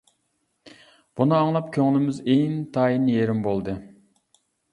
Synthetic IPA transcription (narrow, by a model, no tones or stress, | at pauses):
b̥unɨɑŋlˠɑpkʲʰøŋlˠɪmɪzeŋt̪ʰɑːjinjeɾɪmbolˠd̪ɨ